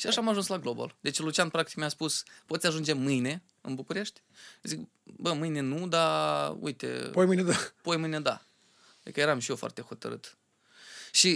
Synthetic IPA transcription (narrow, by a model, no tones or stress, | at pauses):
ʃiaʃaːmaʒunslaɡloba̰ld̪e̞t͡ʃelut͡ʃianpɾak̚t̪ikmiaspuspot̪sʲaʒund͡ʒe̞mɨjne̞ | ɨ̰nbukuɾe̞ʃt̪ʲ | zik | bəmɨjne̞nud̪aṵjt̪e̞̰pojmɨjned̪apojmɨjned̪a̰ | d̪ḭkəje̞ɾamʃijefoa̰rt̪e̞xo̞t̪ə̰ɾɨ̰t̪ | ʃi